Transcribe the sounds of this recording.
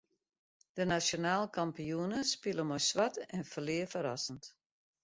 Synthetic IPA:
d̥ənasjonaːlˠkʰampiuənəspiləmɔjsʋatɛnfəlɪəfəɾasənt

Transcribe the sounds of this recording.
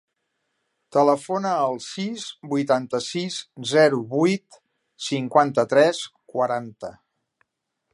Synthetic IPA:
t̪ələfonəːlˠsizbujt̪ant̪əsizzɛɾuβujt̪ | siŋkwant̪ət̪ɾɛskwəɾant̪ə

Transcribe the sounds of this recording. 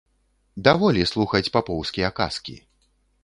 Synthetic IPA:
d̪avɔlʲislˠuxɐt͡sʲpapɔwskʲiɐka̰skʲḭ

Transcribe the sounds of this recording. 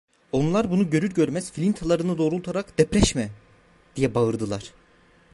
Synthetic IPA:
o̞nlˠaɾbunuɟø̞ɾyɾɟø̞ɾmæz̥filʲint̪ʰalˠaɾɯnɯd̪o̞ːɾulˠt̪ʰaɾakd̪̥ɛpɾɛʃmɛ | d̪̥ijɛbaɯɾd̪ɯlˠaɾ̥

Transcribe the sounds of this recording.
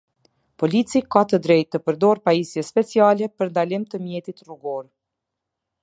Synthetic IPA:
pɔlit͡sikat̪əd̪ɾɛjt̪ːəpəɾd̪ɔɾpaisjɛspɛt͡sialɛpəɾnd̪alimt̪əmjɛt̪it̪ruɡɔɾ

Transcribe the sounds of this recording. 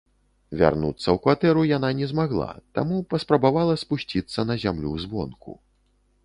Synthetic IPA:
vʲa̰rnut̪sːɐwkvat̪ɛɾujan̪anʲɛzmaɣlˠa̰t̪a̰mupɐspɾɐbavalˠɐspusʲt͡sʲit̪sːɐnɐzʲamlʲṵzbɔ̰nkṵ

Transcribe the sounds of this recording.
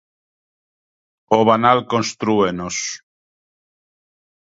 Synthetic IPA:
oβanalkonst̪ɾuenos

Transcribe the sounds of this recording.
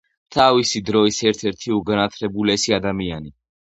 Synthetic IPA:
t̪ʰavisid̪ɾɔisɛɾt̪ʰɛɾt̪ʰiuɡanat̪ʰlɛbulɛsiad̪amiani

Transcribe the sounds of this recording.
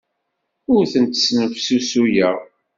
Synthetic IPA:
ʊɾθənt̪ə̥snəfsusujæʁ

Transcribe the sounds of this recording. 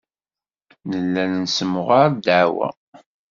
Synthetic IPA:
nəlːænənsəmʁaɾd̪aʕwæ̰

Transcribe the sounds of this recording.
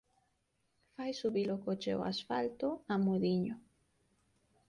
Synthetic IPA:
fajsuβilokot͡ʃḛo̰a̰sfalt̪oamoðiɲʊ

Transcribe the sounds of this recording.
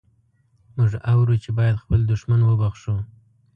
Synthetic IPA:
mʊʐawɾut͡ʃebɑjad̪xpəld̪ʊʃmanwəbaxʂu

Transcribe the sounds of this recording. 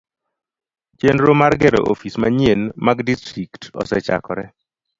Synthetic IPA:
t͡ʃenɾomarɡɛɾo̰ʔofismaɲjenmaɡdistɾiktɔ̰sɛt͡ʃa̰kɔ̰ɾɛ

